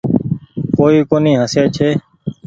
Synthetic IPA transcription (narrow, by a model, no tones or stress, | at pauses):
koːiːkoːnĩːɦəsjaːt͡ʃʰeː